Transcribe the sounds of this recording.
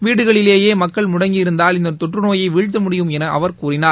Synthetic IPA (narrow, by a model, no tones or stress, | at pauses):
ʋiːɽɯɣɐɭɪleːjeːmɐkːɐɭmʊɽɐŋɡɪɪɾɯnd̪aːlɪnd̪ɐt̪ɔʈrɯnoːjɐɪʋɪɻt͡ʃːɐmʊɽɪjɯmɛnɐʔɐ̰ʋɐɾkkuːrɪnaːɾ